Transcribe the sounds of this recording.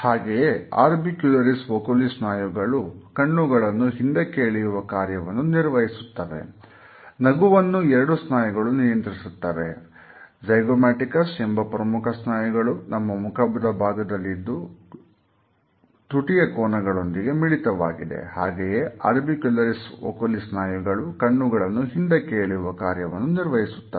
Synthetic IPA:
haːɡejea̰ːɾbikjulɐɾisʋoːkɐlisnaːjuɡɐɭukɐɳːuɡɐɭɐnːuɦind̪ekeːɭiɾuʋɐkaːɾjɐʋɐnːuniɾʋɐɦisu̥t̪ːaːɾe̞̰ | nɐɡuʋɐnːuɛɾɐɽusnaːjɐɡɐɭunijɐnt̪ɾisut̪ːaːɾe̞ | d͡ʒɐjɡomaːʈikɐsembʱɐpɾɐmukʰɐsnaːjɐɡɐɭunɐmːɐmukʰɐbɐd̪ɐbʱaːɡɐd̪ɐlːid̪ːu | t̪uʈijɐkɔːnɐɡɐɭo̞nd̪iɡe̞miɭit̪ɐʋa̰ːɡid̪e̞̰haːɡejeɐ̰ɾbikjulɐɾiso̰kolisnaːjiɡɐɭukɐɳːuɡɐɭɐnːuɦind̪ekeːɭiɾuʋɐkaːɾjɐʋɐnːuniɾʋɐɦisu̥t̪ːɐ

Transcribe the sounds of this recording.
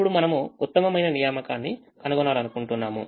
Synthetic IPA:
uɽumɐnɐmuːt̪ːɐmɐmɐjnɐnijaːmɐkaːnːi | kɐnuɡɔnaːlɐnukuɳʈunːaːmṵ

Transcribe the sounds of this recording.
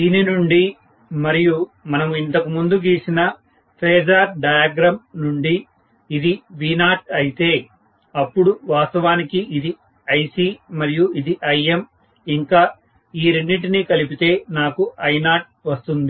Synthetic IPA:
d̪iːninuɳɖi | mɐɾijumɐnɐmint̪ɐkumund̪uɡiːsinɐ | pʰeːd͡ʒaːɾɖɐjaːɡɾɐmnuɳɖiː | d̪iʋiːnaːʈ̚ɐjit̪e̞ː | ɐpːuɽuʋaːst̪ɐʋaːnikiʔid̪i | ɐjsiːmɐɾijuid̪iʔɐjem | iŋkaː | iːɾenːiʈ̬inikɐlipit̪e̞ːnaːkuɐjnaːʈ̚ʋɐst̪und̪i

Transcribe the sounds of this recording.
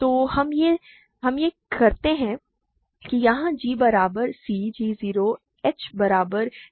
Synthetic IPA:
t̪oːhɐmje | ɦɐmje | kɐɾt̪eɦɛ̃ | kijɐɦãd͡ʒiːbɐɾaːbəɾsiːd͡ʒiːziːɾo | ɛːt͡ʃbɐɾaːbəɾ

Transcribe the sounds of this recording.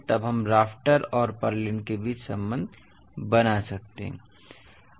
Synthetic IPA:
t̪əbɦəmɾaːpʰʈəɾɔːɾpəɾlinkebiːt͡ʃsə̃mbə̃nd̪ʱ | bənasək̚t̪eɦɛ̰̃

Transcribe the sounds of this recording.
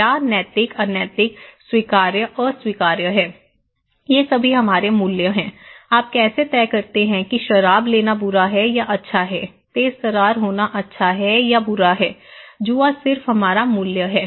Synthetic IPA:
aːnɛːt̪ɪkɐnjɛːt̪ɪkswiːkaːɾjəʔɔːɾswiːkaːɾjəɦɛː | jesɐbʱiɦɐmaːɾemʊljəɦɛ̃ːaːp̚kɛːset̪ɛːkɐɾt̪eɦɛ̃kiʃɐɾaːbleːnabʊɾaɦɛjaʔɐtːʃʰaɦɛː | t̪eːzt̪ɐɾaːɾɦoːnaʔɐtːʃʰaɦɛjabʊɾaɦɛːd͡ʒuasɪɾfɦɐmaːɾamʊljəɦɛː

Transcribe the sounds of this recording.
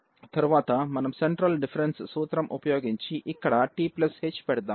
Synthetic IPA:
t̪ɐɾuʋaːt̪ɐmɐnɐmseɳʈɾɐlɖifɐɾenssuːt̪ɾɐmʔupɐjoːɡiɲt͡ʃiʔikːɐɽɐʈiːplɐshet͡ʃːpeɽɯd̪aːm

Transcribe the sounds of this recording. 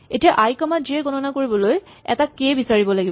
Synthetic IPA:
etijaʔajkɔmatziɛɡɔnɔnakoɹibɔloj | ɛ̰takebisaɹibɔlaɡibɔ

